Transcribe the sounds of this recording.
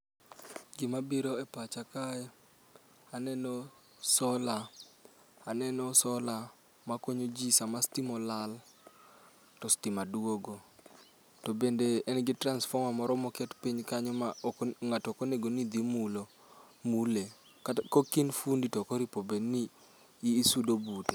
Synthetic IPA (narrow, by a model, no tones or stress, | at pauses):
ɡɪmabiɾoɛpat͡ʃakajɛ | anɛnɔ | sɔla | anɛnɔsɔla | makoɲod͡ʒisamastimɔlal | tɔstimaduoɡo | tɔbendeɛnɡɪtransfɔmamɔɾɔmɔkɛtpiɲkaɲɔmaŋatɔkoneɡonid̪imulo | mule | kokinfunditɔkɔɾipobeniː | sudobute